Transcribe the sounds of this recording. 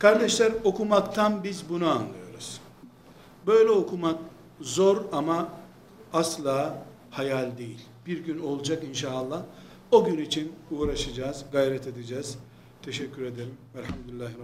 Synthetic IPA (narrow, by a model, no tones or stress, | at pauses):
kʰaɾd̪ɛʃlʲæɾo̞kʰumakt̪ʰanbizbunuanlˠɯjo̞̰ɾuz̥ | bø̞jlʲɛo̞kʰumak | zo̞ɾama | aslˠaː | hajalʲd̪e̞jilʲb̥iɾɟyno̞lˠd͡ʒakinʃaːlˠːah | oɟynit͡ʃʰinuːɾaʃɯd͡ʒaːzɡajɾɛt̪ʰe̞d̪id͡ʒɛːz | t̪ʰeʃɛcʲʰːyɾe̞d̪eɾimæɾhamd̪ilʲːaɦɾ